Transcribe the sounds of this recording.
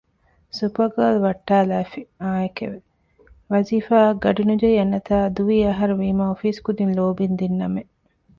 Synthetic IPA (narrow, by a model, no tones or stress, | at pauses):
supɐɡɐlʋɐʈːaːlæːfiaːekḛʋe | ʋɐziːfaːɡɐɖinud͡ʒɐjɐnːɐt̪aːd̪uʋiːɐɦɐɾuʋiːmɐofiːskud̪inloːbind̪inːɐme